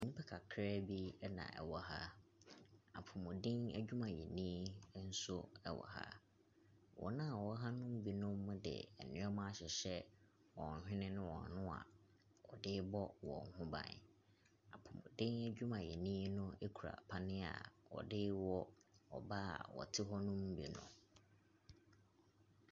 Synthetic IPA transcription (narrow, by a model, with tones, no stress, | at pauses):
ĩ˨ɲĩ˦pʰɛ˦kʰa˨kʰɾɛ˦bi˦ɛ˦nã̰˨ɛ̰˨wɔ˦ɦa˦ | a˨pʰʊ˨mʊ̃˨dɪ̃˦ŋæ̰˦d͡ʑᶣu˦mã˨jɛ˨nĩː˦n̩˦sʊ˦ɛ˨wɔ̰˨ha̰˦ | wɔ̰˨nã˦˨wɔ˦ɦa˦nʊ̃˦m̩˦bi˨nʊ̃˦mːʊ̃˦dɪ̰˨ɛ˨nɪ̃˨˦ɔ˦mã˦a˦ɕɛ˨ɕɛ˦ | wɔ̃˨n˨hᶣɪ̃˦nɪ̃˦nɪ̃˦wɔ̰̃˨n˨nʊ̃˦a̰˨ | wɔ˨dɪ˦bɔ˦wɔ̰̃˨ŋ˨hʊ̃˦bã̰˨n˨ | a̰˨pʰʊ˨mʊ̃˨dɪ̃˦ŋæ˦d͡ʑᶣu˦mã˨jɛ˨nĩː˦nʊ̃˦e˦kʰu˨ɾa̰˨pʰa˦nɪ̃˦a̰˨wɔ̰˨dɪ˦wɔ˦ɔ̰˨ba˦a̰˨wɔ̰˨tʰɪ˦ɦɔ˦nʊ̃˦m̩˦bi˨nʊ̰̃˨